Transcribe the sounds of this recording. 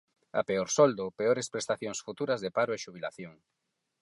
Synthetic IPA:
a̰peoɾsɔld̪ʊpeoɾespɾest̪aθjoŋsfut̪uɾɐzðepaɾoeʃuβ̞ila̰θjoŋ

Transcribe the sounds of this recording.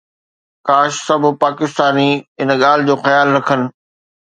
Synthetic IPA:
kaːʃsɐbʱʊ̆paːkɪst̪aːniɪnɠaːl̤ɪd͡ʑoːxɐjaːlɾɐkʰənɪ̆

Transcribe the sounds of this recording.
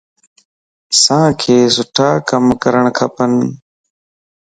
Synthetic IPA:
sãːkʰeːzʊʈʰaːkəmkəɾəɳ̃kʰəpən

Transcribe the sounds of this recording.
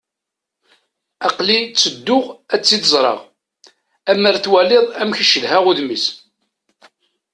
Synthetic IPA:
ɑqlit͡sːəd̪ːʊʁæt͡sːiθəzˤɾˤɑ̰ʁ | æmːəɾθwæleðˤæmçəʃːəðhæʁʊðmis

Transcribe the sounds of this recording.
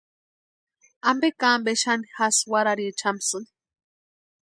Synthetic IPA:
ambekaːmbeʃanixaswaɾaɾit͡ʃamsɨni̥

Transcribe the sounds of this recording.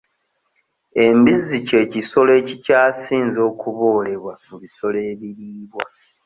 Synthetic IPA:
e̞mbizːice̞ːciso̞le̞ːcicaːsiːnzo̞ːkuβo̞ːle̞βwamuβiso̞leːβiɾiːβwa

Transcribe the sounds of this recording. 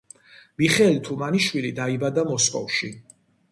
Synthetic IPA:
miχɛlit̪ʰumaniʃwilid̪aibad̪amɔskʼɔ̰fʃi

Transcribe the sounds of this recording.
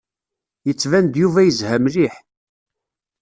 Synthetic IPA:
jət͡sːvænd̪juvæjəzhæmliħ

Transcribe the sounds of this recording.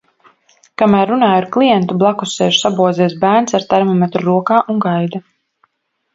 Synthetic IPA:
kamæːɾːunaːjaɾklˠijɛnt̪ublˠakusɛːʒu̥sabuɔziɛsbæːɾnsaɾt̪ɛɾmɔmɛt̪ɾuɾuɔkaːʔuŋɡajd̪a

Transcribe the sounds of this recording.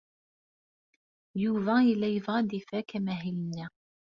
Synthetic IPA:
juvɑilːæjəvʁɑd̪ifækæmæɦilnːæ

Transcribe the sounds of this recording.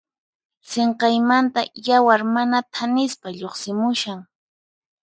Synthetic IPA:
seɴqɑjmant̪ajawaɾmanat̪ʰanɪspaʎoχsɪmʊʃaŋ

